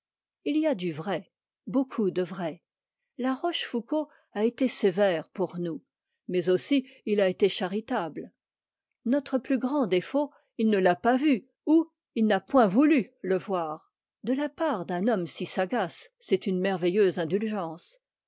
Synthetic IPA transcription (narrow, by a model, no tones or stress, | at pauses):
iliad̪yvʁɛ | bokʰud̪əvʁɛ | laʁɔʃfuko | aet̪esevɛʁpuʁnu | mɛzosiilaet̪eʃaʁit̪abl | nɔt̪χəplyɡʁɑ̃d̪efo | ilnəlapavy | u | ilnapwɛ̃vulyləvwaːʁ | d̪əlapaʁd̪ɛ̃nɔmsisaɡasːɛt̪ynmɛʁvɛjøzɛ̃d̪ylʒɑ̃s